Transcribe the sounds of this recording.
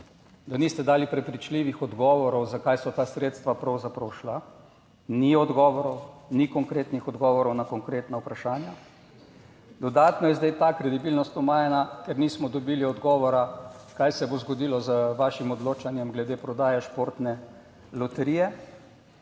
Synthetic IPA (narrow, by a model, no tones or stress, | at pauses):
d̪anist̪ɛd̪aːlipɾɛpɾit͡ʃliːʋixɔd̪ɡɔːʋɔɾɔwzakaːjsɔt̪aːsɾeːt̪st̪ʋapɾɐwzapɾɔwʃla | niɔd̪ɡɔːʋɔɾɔwnikɔŋkɾeːt̪nixɔd̪ɡɔːʋɔɾɔwnakɔŋkɾeːt̪naupɾaʃaːnja | d̪ɔd̪aːt̪nɔjɛzd̪ajt̪akɾɛd̪ibilnɔst̪ɔmaːjɛnakɛɾniːsmɔd̪ɔbiːliɔd̪ɡɔːʋɔɾakajsɛbozɡod̪iːlɔzəʋaːʃimɔd̪loːt͡ʃanjɛmɡlɛd̪eːpɾɔd̪aːjɛʃpoːɾt̪nɛ | lɔt̪ɛɾijɛ